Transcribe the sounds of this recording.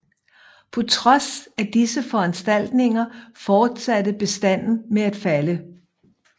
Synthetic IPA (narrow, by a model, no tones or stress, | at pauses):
pʰɒ̽t͡sʰʁɒ̽sæd̥isəfɒ̽ænsd̥æl̰d̥ne̝ŋɐfɒːd̥sæd̥əb̥e̝sd̥æn̰n̩meæd̥fælə